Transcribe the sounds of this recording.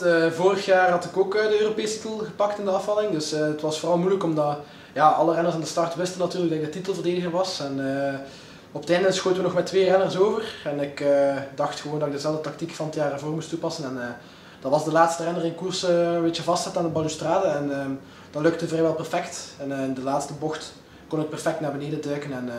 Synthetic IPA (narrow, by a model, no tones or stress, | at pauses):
voːrəxjaːrɦɑtɪkoːkədəøːropeːstitəlˠɣəpɑktɪndəɑfɑlɪŋdɵsətʋɑsfoːrɑlˠmujləkɔmdɑ | jaːɑlˠərɛnərsandəstɑrtʋɪstənːɑtyːrləkɡdɑɪɡ̚dətitəlˠvərdeːdəɣərʋɑsɛnə | ɔpətɛndənsxoːjtəʋənɔxmɛtːʋeːrɛnərsoːvərɛnɪkədɑxtxəʋoːndɑɪɡ̚dəzɛlˠvdətɑk̚tikfɑnətjaːrəvoːrmustːupɑsənɛnː | d̥ɑnʋɑzdəlaːtstərɛnərɪnkursəbeːt͡ʃəvɑstsɛtaːndəbɑnystraːdəɛnəː | d̥ɑlɵk̚təvrɛʋɛlˠpɛrfɛktɛnːɪndəlaːtstəbɔxt | kɔnət̚pɛrfɛk̚tnaːrbəneːdədœɥkənɛn